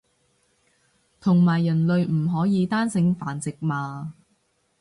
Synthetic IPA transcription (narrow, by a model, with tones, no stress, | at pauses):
t̪ʰʊ˨˩ŋmaː˨˩jːɐ˨˩nlɵ˨˧ɥm̩˨˩ɦɔː˨˥jiː˨˧t̪aː˥nsɪ˨˥ŋfaː˨˥nt͡sɪ˨k̚maː˨˧